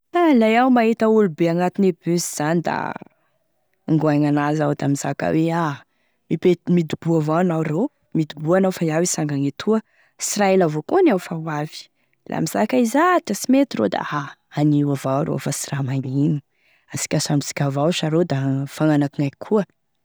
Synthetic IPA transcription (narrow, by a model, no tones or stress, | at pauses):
nalajawmaɦet̪əulubeaŋat̪inebøziz̥anid̪a̰ | ŋɡuaŋanazawd̪amiz̥akə̰wea | mipemid̪ub̥uavaanawrow | mid̪ubuanawfajawisaŋɡaŋet̪ʰuə | siɾaelavokonawfawavi̥ | lʔa̰miz̥akaizat̪asimet̪iro̰d̪a̰aaniwavawɾo̰fasiramaɲini̥ | asi̥kʲasamisi̥kʲavawʃaɾod̪afaŋanakiŋajkʰuə